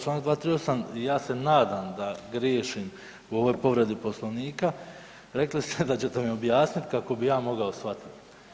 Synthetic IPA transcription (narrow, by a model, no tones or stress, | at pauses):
t͡ʃlaːnak̚d̪vat̪ɾijosanijaːse̞naːd̪amd̪aɡɾjeːʃim | uo̞ʋo̞jpo̞ʋɾe̞d̪ipo̞slˠoʋniːka | ɾeklist̪ed̪at͡ɕet̪e̞mio̞bjaːsnit̪kako̞bijaːmo̞ɡao̞sʋat̪i̥t̪